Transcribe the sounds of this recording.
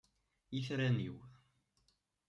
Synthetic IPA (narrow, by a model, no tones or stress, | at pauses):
iθɾæniw